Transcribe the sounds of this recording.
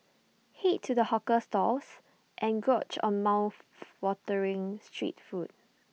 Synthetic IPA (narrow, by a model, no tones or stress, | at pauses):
hitʰːudəhɔkəstɔs | ʔɛ̃nɡɹot͡ʃɔ̰̃nmaʊθwɔtəɹɪ̃ŋstʰɹḭtfut̚